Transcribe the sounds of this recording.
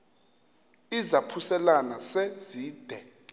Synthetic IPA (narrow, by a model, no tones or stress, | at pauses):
izapʰusɛlanasɛ̥z̥ʱiːd̥ʱɛ